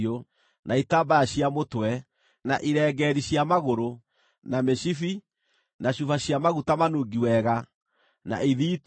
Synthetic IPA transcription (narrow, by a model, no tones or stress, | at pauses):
o | nʔaitaːbajaɕiamotwɛ | na̰ʔiɾɛːɡɛɾiɕjamaɣoɾo | nameɕifi | naɕufaɕiamaɣutamanoɡiwɛɣa | na̰iðiːt